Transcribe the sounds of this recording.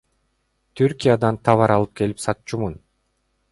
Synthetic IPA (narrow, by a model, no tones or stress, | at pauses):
t̪ʰyɾkʲijad̪ɑnt̪ʰɑβɑɾɑlˠɯp̚ke̞lipsɑt̪t͡ʃumun